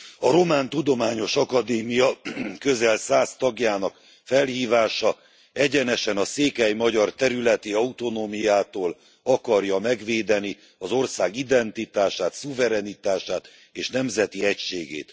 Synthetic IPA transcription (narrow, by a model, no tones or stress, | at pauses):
ɒɾo̞maːnt̪ud̪o̞maːɲo̞ʃɒkɒd̪eːmijɒkøzɛlsaːst̪ɒɡjaːnɒk | fɛlhiːvaːʃɒ | ɛɟɛnɛʃɛnɒseːkɛjmɒɟɒrt̪ɛɾylɛt̪iɒut̪o̞noːmijaːt̪oːl | ɒkɒrjɒmɛɡʋeːd̪ɛni | ɒzo̞rsaːɡid̪ɛnt̪it̪aːʃaːt̪suvɛɾɛnit̪aːʃaːt̪ | eːʃnɛmzɛt̪iɛcʃeːɡḛːt̪